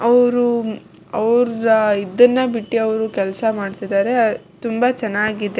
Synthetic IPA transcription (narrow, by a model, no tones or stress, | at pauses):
ɐʋɾu | ɐʋɾɐid̪ɐnːɐbiʈːiɐʋɾukɛlsɐmaːɖt̪id̪aːɾe̞t̪umbɐt͡ʃɛnːaːɡid̪e